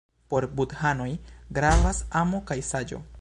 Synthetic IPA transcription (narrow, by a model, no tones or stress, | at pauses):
po̞ɾbudhano̞jɡɾavasamokajsad͡ʒo̞̰